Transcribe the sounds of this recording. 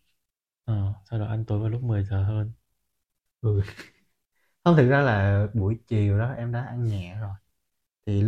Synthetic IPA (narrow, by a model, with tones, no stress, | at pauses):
ʔəː˨˩sa˧wɗo˨˩ʔa˧ŋ̟t̪u˧˩jvaː˨˩jlʊ˦˥k͡p̚mɨ˨˩əjzəː˨˩ɦəː˧n | ʔɨ˨˩ | hə˧wŋ͡mt̪ɨ˨˩k̚zaː˧laː˨˩ɓu˧˩əjt͡ɕi˨˩əwɗɔ˨˦ʔɛ˧mɗa̰ː˧˦ʔa˧ŋɲɛ̰˧˨zo˨˩j | t̪ʰi˨˩